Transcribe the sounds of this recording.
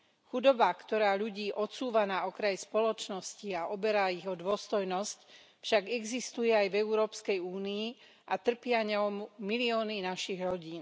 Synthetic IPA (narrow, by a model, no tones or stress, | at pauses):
xud̪ɔbakt̪ɔɾaːʎuɟiːʔɔt͡suːʋanaɔkɾajspɔlɔt͡ʃnɔsciaʔɔbɛɾaiɣɔd̪ʋʊɔst̪ɔjnɔsc | fʃaɡɛɡzist̪ujɛajvɛuɾɔːpskɛjuːniː | ʔat̪r̩pɪaɲɛɔmːiliɔːninaʃiɣɾɔɟiːn